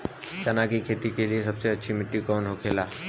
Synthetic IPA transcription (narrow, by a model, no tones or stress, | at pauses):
ʃanakikʰeːt̪ikeliesɐbseɐtːʃʰimɪʈːikɔːnɦokʰeːlaː